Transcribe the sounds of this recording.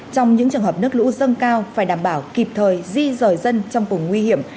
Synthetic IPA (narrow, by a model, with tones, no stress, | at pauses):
t͡ɕɔ˧wŋ͡mɲɨ̰˧˥ŋt͡ɕɨ˨˩əŋɦə˨˩p̚nɨ˦˥ək̚lṵ˧˥zə˧nkaː˧wfaː˧˩jɗaː˧˩mɓaː˧˩wki˨˩p̚t̪ʰəː˨˩jzi˧zəː˨˩jzə˧nt͡ɕɔ˧wŋ͡mkʊ˨˩ŋ͡mːwi˧hi˧˩əm